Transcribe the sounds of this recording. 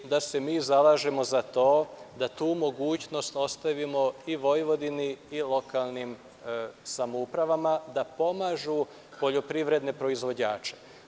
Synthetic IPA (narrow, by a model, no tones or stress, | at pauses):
d̪ase̞miːzalaːʒe̞mo̞zat̪o̞ːd̪at̪uːmo̞ɡuːt͡ʃno̞st̪o̞st̪aʋimo̞iʋo̞jʋo̞d̪iniilˠo̞kaːlˠnim | samoupɾaʋamad̪apo̞maːʒu | po̞ʎo̞pɾiʋɾe̞d̪ne̞pɾo̞izʋo̞d͡ʑaːt͡ʃe̞̥